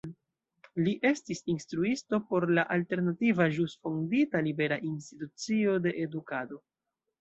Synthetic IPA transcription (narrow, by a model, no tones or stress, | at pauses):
liʔe̞stisinstɾuisto̞po̞ɾlaʔalte̞ɾnativaʒusfonditalibe̞ɾaʔinstitut͡sio̞de̞ʔedukado̞